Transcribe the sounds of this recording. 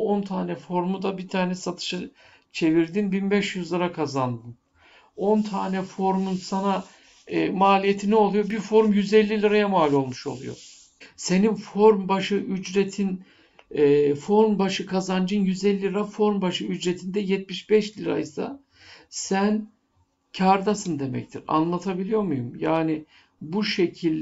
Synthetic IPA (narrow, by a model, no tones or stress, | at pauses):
ont̪ʰaːnɛfo̞ɾmud̪abit̪ʰaːnɛsat̪ʰɯ̥ʃɯ | t͡ʃʰe̞viɾd̪inbinbɛʃjyzlˠɯɾakʰazand̪ɯn | o̞nt̪ʰaːnɛfo̞ɾmunsana | maːlʲijet̪ʰinɛo̞lˠujo̞bifo̞ɾmjyzɛlʲːilʲiɾajamaːlʲo̞lˠmuʃo̞̰lˠujo̞̰ | se̞ninfo̞ɾmbaʃɯʔyd͡ʒɾet̪ʰinː | fo̞ɾmbaʃɯkʰazand͡ʒɯnjyzɛlʲːiɾafo̞ɾmbaʃɯyd͡ʒɾet̪ʰind̪ɛjɛt̪̚miʃbɛʃlʲiɾa̰jsa̰ | sæn | cʰaɾd̪asɯnd̪e̞mɛ̰ct̪ʰiɾa̰nlˠat̪ʰabilʲijo̞ɾmujumjaːni | buʃe̞cʰilʲ